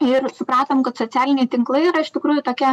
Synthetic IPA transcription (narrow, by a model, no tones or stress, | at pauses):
ɪrsʊpɾɑːt̪omkɐt̪soːt͡s̪ʲæːlʲɪnʲɛɪt̪ʲɪŋklˠɐɪiːɾɐɪʃt̪ʲɪkɾuːjut̪oːkʲiɛ